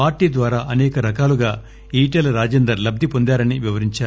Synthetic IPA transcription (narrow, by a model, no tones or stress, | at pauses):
paːɾʈiːd̪ʋaːɾaːʔɐnɛːkɐɾɐkaːluɡaː | iːʈelɐɾaːd͡ʒeːnd̪ɐɾlɐb̚d̪ipond̪aːɾɐniʋiʋɐɾiɲt͡ʃaːɾu